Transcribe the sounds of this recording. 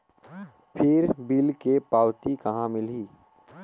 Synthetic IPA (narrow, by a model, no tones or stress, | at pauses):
pʰɪɾbilkepaːwt̪ikɐɦãmɪliː